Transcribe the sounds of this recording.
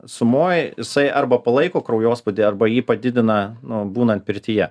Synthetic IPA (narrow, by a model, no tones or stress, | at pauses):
sʊmoːjjɪsɐɪʔɐrbɐpɐlˠɐɪkoːkɾɐʊjoːspʊd̪ʲɪːɐɾbɐjiːpɐd̪ʲɪd̪ʲɪnɐnʊbuːnɐnt̪̚pʲɪɾʲt̪ʲɪjɛ